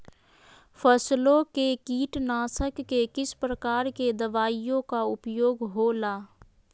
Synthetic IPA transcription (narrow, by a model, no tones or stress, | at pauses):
pʰəslõkekiːʈnaːsəkːekɪspɾəkaːɾked̪əʋaːijõkaʊpjoːɡɦoːlaː